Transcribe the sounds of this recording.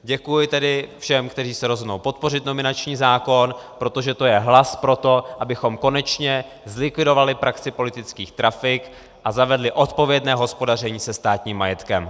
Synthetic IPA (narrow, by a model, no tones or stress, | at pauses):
ɟɛkujɪt̪ɛdɪfʃɛmkt̪ɛriːsɛɾozɦodno̞wpo̞t̪̚po̞rɪt̪no̞mɪnat͡ʃɲiːzaːko̞npɾo̞t̪o̞ʒɛt̪o̞jɛɦlaspɾo̞t̪o̞ʔabɪxo̞mko̞nɛt͡ʃɲɛ | zlɪkvɪdo̞valɪpɾaksɪpo̞lɪt̪ɪt͡skiːxt̪ɾafɪk | ʔazavɛdlɪʔo̞t̪po̞vjɛdnɛːɦo̞spo̞darɛɲiːsɛst̪aːt̪ɲiːmːajɛt̪kɛm